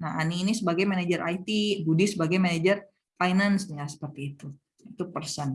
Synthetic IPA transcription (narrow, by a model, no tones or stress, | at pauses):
naɦa̰niːnisəbaɡajmanad͡ʒəɾʔa̰jt̪ibudisəbaɡajmanad͡ʒər | fajnansɲasə̥pərt̪iːt̪u | it̪upərsən